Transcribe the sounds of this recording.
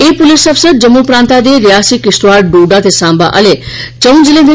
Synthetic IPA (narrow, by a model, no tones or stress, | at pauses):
epʊlisɐfsəd̪̚d͡ʒəmːupɾãːnt̪ad̪eɾijaːsikisʈuʋaːɖɖuːɖat̪ʰesãːmba̰ʔə̰let͡ʃəw̃nd͡ʒilẽd̪i